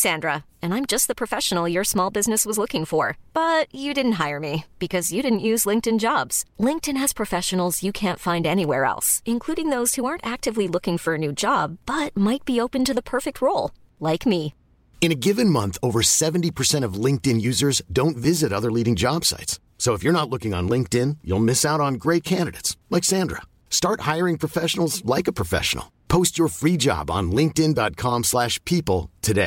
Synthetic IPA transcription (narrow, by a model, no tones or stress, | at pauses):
sæ̃ndɹə | ɨ̃nãɪ̃md͡ʒʌst̪̚ðəpʰɹ̥ɨfɛʃn̩l̩ˠjə˞smɔlˠbɪznɨswʌzlʊkɪ̃ŋfə˞b̥ʌt͡ʃɨdɪdⁿn̩t̚ɦaɪə˞mib̥ɨkʰʌzjɨɾɪdⁿn̩ʔjʉzlɪ̃ŋk̚tɨ̃nd͡ʒɑbz̥lɪ̃ŋk̚tɨ̃nɨz̥pʰɹ̥ɨfɛʃɨn̩l̩ˠzjɨkʰæ̃ntfãɪ̃ndɛniwɛ̰ɹɛ̰lˠsɨ̃nkʰl̥uɾɪ̃ŋðoʊz̥huɑɹntæk̚tɨvlilʊkɪ̃ŋfə˞ɨnʉd͡ʒɑbbʌt̚maɪt̚b̥ioʊpɨ̃ntɨðəpʰɜ˞fɨk̚t̚ɹoʊlˠ | laɪkmi | ɨ̃ñɨɡɪvɨ̃nmʌ̃nθoʊvə˞sɛṽn̩tipʰə˞sɛ̃ɾ̃ʌvlɪ̃ŋk̚tɨ̃njʉzə˞zdõʊ̃ntvɪzɨɾʌðə˞liɾɪ̃ŋd͡ʒɑb̥sa̰ɪts | soʊəfjə˞nətˡlʊkɪ̃ŋə̰̃nlɪ̃ŋk̚tɪ̃njṵlˠmɪsaʊɾn̩ɡɹeɪt̚kʰæ̃ndɨɾɨ̰tslaɪksæ̃ndɹə̰ | stɑɹt̚haɪə˞ɪ̃ŋpʰɹ̥ɨfɛʃn̩l̩ˠzlaɪkəpʰɹ̥əfɛ̰ʃə̰n̩̰l̩ˠpʰoʊst͡ʃə˞fɹid͡ʒɑ̰bn̩lɪ̃ŋk̚tɪ̃ndɑt̚kʰɑ̃mslæʃpʰipl̩ˠtʰɨdeɪ